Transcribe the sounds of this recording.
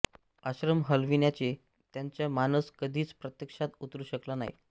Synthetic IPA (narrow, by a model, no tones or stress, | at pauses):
əɕɾəmɦəlʋinjat͡ɕe | t̪jaɲt͡ɕjamanəskəd̪ʱiːt͡spɾət̪jəkʂat̪ut̪ɾuːɕəklana̰j